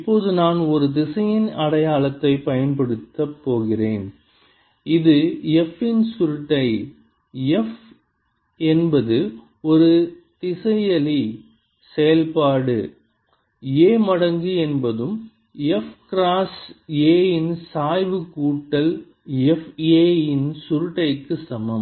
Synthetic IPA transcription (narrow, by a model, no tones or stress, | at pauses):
ɪpːoːðɯnaːnɔɾɯd̪ɪsɐjɪnɐɽɐjaːlɐt̪ːɐɪpɐjɐnpɐɽɯt̪ːɐpːoːɣɪreːn | ɪðɯɛfɪnsʊɾɯʈːɐɪ | ɛf | ɛnbɐðɯ | ɔɾɯ | t̪ɪsɐjɐli | sɛjɐlpaːɽɯ̰ | eːmɐɽɐŋɡɯɛnbɐðɯm | ɛfkɾaːseːjɪnsaːjʋɯkːuːʈːɐl | ɛfeːjɪnsʊɾɯʈːɐɪkːɯsɐmɐm